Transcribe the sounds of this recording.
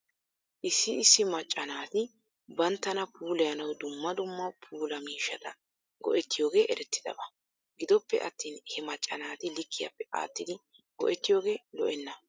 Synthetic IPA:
ʔɪsːɪɪsːɪmɐt͡ʃʼːɐnaːt̪ɪ | bɐnt̪ːɐnɐpʰuːlɛjɐnɐwd̪ʊmːɐd̪ʊmːɐpʰuːlɐmiːʃːɐt̪ɐ | ɡɔ̰ʔɛt̪ːɪjo̞ːɡe̞ːʔɛɾɛt̪ːɪd̪ɐ̰bɐ | ɡɪd̪ɔpːɛ̰ʔɐt̪ːiːnhɛmɐt͡ʃʼːɐnaːt̪ɪlɪkʰːɪjɐ̰pːɛʔa̰ːt̪ːɪd̪ɪ | ɡɔ̰ʔɛt̪ːɪjo̞ːɡe̞ːlɔʔɛnːɐ

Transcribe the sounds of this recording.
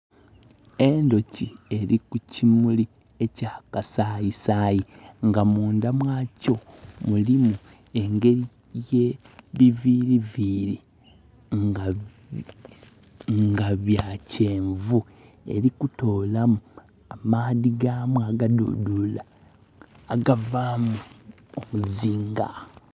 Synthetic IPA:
endo̞cie̞ɾikucimuli | ecaːkasajisaːjiŋɡamuːndamwaːco̞mulimu | e̞ŋɡe̞ɾi | je̞ | βiviɾiviɾi | ŋɡa | ŋɡaβjace̞ːɱvu | e̞̰ɾikuto̞ːlamu | amaðiɡaːmwaɡadṵdulaː | ɡavaːmu | omuziːŋɡa̰

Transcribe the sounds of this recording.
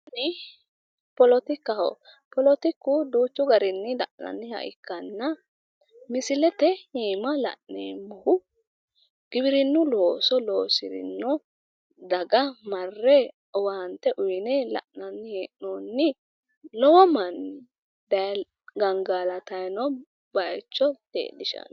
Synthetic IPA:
ɐnɪ | pɔlɔt̪ɪkːɐhɔ̰ | pɔlɔt̪ɪkːʊd̪uːt͡ʃːʊɡɐɾɪnːɪlɐ̰ʔnɐ̰nːɪhɐ̰ʔɪ̰kːɐnːɐ | mɪsɪlɛt̪ɛhiːmɐlɐ̰ʔnḛːmɔhʊ | ɡ̥ɪbɪɾɪnːʊlo̞ːsɔloːsɪɾɪ̰nːɔ | d̪ɐɡɐmɐrːɛ | ɔwɐhɐnt̪ːɛʔʊjnɛlɐ̰ʔnɐnːɪheːʔnonːɪ | lɔwɔmɐn | d̪ɐ | ɡɐŋɡaːlɐt̪ɐjnɔ | bɐɛt͡ʃːɔt̪ḛːdɪʃɐ̰n

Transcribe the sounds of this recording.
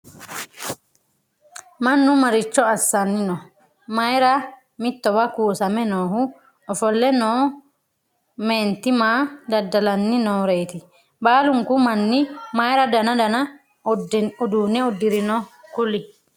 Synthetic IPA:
mɐnːʊmɐɾɪt͡ʃːɔɐsːɐnːɪnɔ | mɐjɾɐ | mɪt̪ːɔbɐkuːsɐmɛnoːhʊ | ɔfɔlːɛnoː | meːnt̪ːɪmaːd̪ɐd̪ːɐlɐnːɪnoːɾeːt̪ɪ | baːlʊŋkʊmɐnːɪmajɾɐd̪ɐnɐd̪ɐnɐ | ʊd̪uːnːɛɔd̪ːɪɾɪnɔkʊlɪ

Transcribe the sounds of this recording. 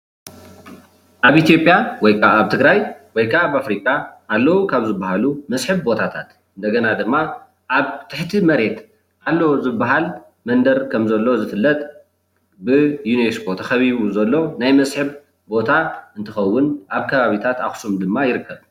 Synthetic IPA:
ʔaβʔit̪jo̞pʼjawɔjkʰaaβt̪ʰɨɡɾajwɔjkʰaaβafɾikʼaʔːlːɐwukʰaβzɨbːaɦalumɐsħɨβbo̞t̪ʰat̪ʰat̪ | ɨnd̪ɐɡɐnad̪ɨmːa | ʔaβt̪ʰɨħt̪ʰimɐɾe̞t̪ | ʔalːɐwzɨbaɦal | mɐnd̪ɐɾkʰɐmzɐlːo̞zɨfɨlːɐt̪ʼ | bɨjunesbot̪ʰaxɐβiβuzɐlːo̞najmɐsħɨβ | bo̞t̪ʰaɨnt̪ʰɨxɐwːʊnʔaβkʰɐβaβit̪ʰat̪axsumd̪ɨmːajɪɾɨkːɐβ

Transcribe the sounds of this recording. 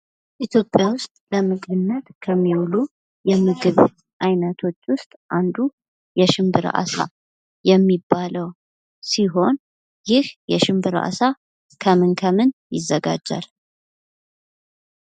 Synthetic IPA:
ʔit̪ʰjo̞pʼjawʊst̪ʼləmɨɡʼɨnːət̪kʰəmːiwlu | jɛmɨɡɨβ | ʔajnət̪ʰo̞t͡ʃːwʊst̪ʼʔand̪u | jɛʃɨmbɨɾ̰ʔa̰sa̰ | jɛmːibːaləw | siɦo̞n | jɪhjɛʃɨmbɨɾa̰sa | kʰəmɨnkʰəmɨnjɪ̰zːəɡa̰d͡ʒːa̰l

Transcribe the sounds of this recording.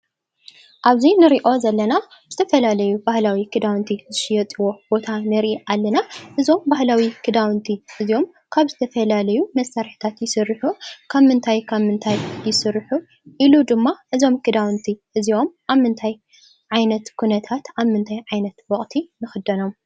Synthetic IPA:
ʔaβzinɨɾiʔo̞zɐlːɐna | zɨt̪ʰɐfɐlalɐjubahlawikʰɨd̪awnt̪ʰizɨʃɪjɐt͡s̪ʼiwo̞b̥o̞t̪ʰanɨɾʔiʔalːɐnaʔɨzo̞mbahlawikʰɨd̪awnt̪ʰiʔɨzio̞m | kʰaβzɨt̪ʰɐfɐlalɐjumɐsaɾħi̥t̪ʰat̪jɪsɨrːɨħukʰaβmɨnt̪ʰajkʰaβmɨnt̪ʰajːɪsɨɾħu | ʔilud̪ɨmːaʔɨzo̞mkʰɨd̪awnt̪ʰiʔɨzio̞mʔaβmɨnt̪ʰaj | ʕajnɐt̪kʰunɐt̪ʰat̪ʔaβmɨnt̪ʰajʕajnɐt̪wɔχʼt̪ʰinɨxɨd̪ɐno̞m

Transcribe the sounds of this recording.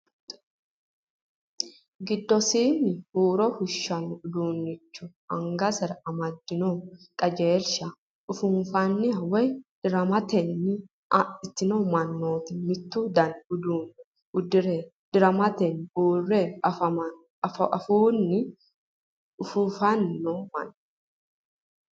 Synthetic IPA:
ɡɪd̪ːɔsiːnːɪhuːɾɔhʊʃːɐnʊd̪uːnːɪt͡ʃːʊ | ɐŋɡɐsɛɾɐɐmɐd̪ːɪnokʼɐd͡ʒe̞ːɾʃɐ | ʔʊfʊnfɐnːɪɐwɛjd̪̥ɪɾɐmɐt̪ɛnːɪ | ɪt̪ːɪnomɐnːoːt̪ɪmɪt̪ːuːd̪ɐnʊd̪uːn | ʊd̪ɪɾɛ | d̪̥ɪɾɐmɐt̪ɛnuːrɛɐfɐmɐ | fʔɐ̰fuːnːɪ | ʊfufɐnːomɐ̰n

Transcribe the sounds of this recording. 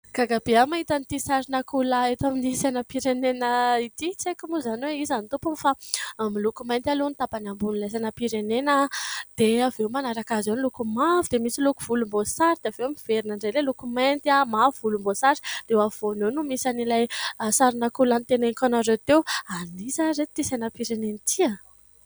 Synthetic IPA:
ɡ̥aɡabeamaɦit̪anit̪isaɾinakulaet̪aminisanapiɾenenəit̪it͡sekumuzaniweizanit̪upumfamilukumajnt̪alenit̪apanambunilajs̬anapiɾenenəd̪̥eavewmanaɾakazewnlukumavud̪emisilukuv̥ulumbosaɾid̪eavemiv̥eɾinaɳɖ͡ʐejlelukumant̪iamavuvulumbosaɾi̥d̪̥ewav̥onewnumisanilajsaɾinakulanit̪eneŋkanaret̪ewanizaɾet̪t̪isajnapiɾenenit̪ʰiə

